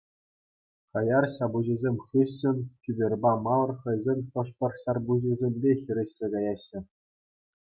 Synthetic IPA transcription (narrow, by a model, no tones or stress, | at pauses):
χɑjɑrɕɑbuʑizʲemʲχɯɕːɘ̆nʲtʲybʲerʲbɑmɑlˠɤ̆rχɤ̆jzʲemʲχɤ̆ʂpʲɤ̆rɕɑrbuʑizʲemʲbʲexʲiɾʲɘ̆ɕʲːeɡɑjɑɕːɘ̆